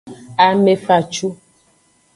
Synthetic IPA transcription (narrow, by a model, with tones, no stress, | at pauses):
a˨me˦fa˨t͡ʃu˦